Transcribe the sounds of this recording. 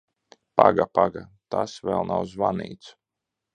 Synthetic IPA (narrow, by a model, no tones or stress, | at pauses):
paɡapaɡat̪asvɛlˠnawzvanḭːt̪su̥